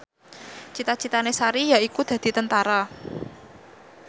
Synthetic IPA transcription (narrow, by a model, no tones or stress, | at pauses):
t͡ʃit̪at͡ʃit̪anesaɾijaikud̪̥a̤d̪̥i̤t̪ənt̪aɾa